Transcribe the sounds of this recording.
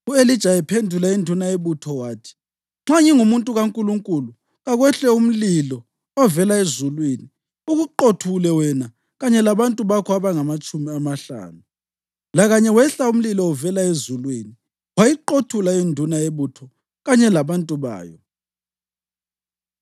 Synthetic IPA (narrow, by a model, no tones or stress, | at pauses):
uelid̥ʒ̥ʱajɛpʰendʱulaindʱunaeβutʰɔwaːtʰi̥ | ŋ͡ǁaŋiŋumuntʼuɣaŋkʼuluŋkʼulu | ɣaɣwɛɬɛum̩lilɔ | ɔvɛlaezulwini | uɣuǃotʰulɛwɛna | ɣaɲɛlaβantʼuβakʰɔaβaŋamat͡ʃʼumiamaɬa̰ːnu | laɣaɲɛwɛɬaum̩lilɔɔvɛlaezulwini | wajiǃotʰulaindʱunaeβutʰɔ | ɣaɲɛlaβantʼuβa̰ːjɔ